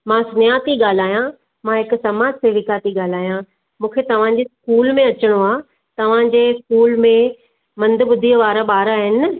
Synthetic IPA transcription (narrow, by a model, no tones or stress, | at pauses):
mãsnɪjaːt̪iɠaːl̤aːjã | mãɦɪksɐmaːd͡ʑseʋɪkaːt̪iɠaːl̤aːjã | mũːkʰet̪ɐʋ̤ãd͡ʑeskuːlmẽɐt͡ɕəɽ̃oaː | t̪ɐʋ̤ãd͡ʑeːskuːlmẽ | mɐ̃nd̪ɓʊd̪ʱijəʋaːɾaɓaːɾaːɦɪn